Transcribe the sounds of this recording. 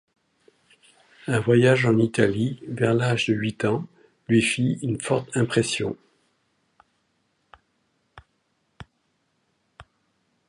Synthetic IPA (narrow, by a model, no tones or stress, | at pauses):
ɛ̃vwajaʒɑ̃nit̪alivɛʁlaʒd̪əɥit̪ɑ̃ | lɥifiynfɔʁt̪ɛ̃pχɛsjɔ̰̃